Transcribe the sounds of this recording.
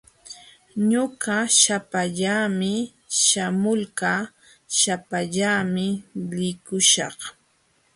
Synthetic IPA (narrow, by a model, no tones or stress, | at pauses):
ɲʊɢaʃapaʎaːmɪ | ʃamʊlkaː | ʃapaʎamɪlɪkʊʃɑ̰χ